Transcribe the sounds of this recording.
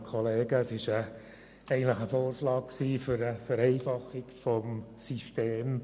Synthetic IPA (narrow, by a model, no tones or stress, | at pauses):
kʰɔleːɡəːsɪʃə | ɛɪɡəntlɪχəfoːrʃlɑːkksiːfyɾəfɛɾɛɪfɑχɪkfɔmsyʃteːm